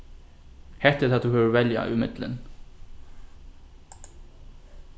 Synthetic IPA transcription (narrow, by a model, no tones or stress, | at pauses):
hɛht̪ɛ̥t̪ʰaːθuɦɛːvʏɾvɛlja̰ʏmɪt̪lɪ̰n